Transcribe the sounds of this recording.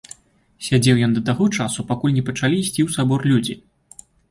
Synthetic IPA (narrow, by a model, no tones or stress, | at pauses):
sʲad͡zʲɛwjɔnd̪ɐt̪aɣɔt͡ʂasupakulʲnʲɛpɐt͡ʂalʲiːsʲt͡sʲiwsabɔrlʲud͡zʲi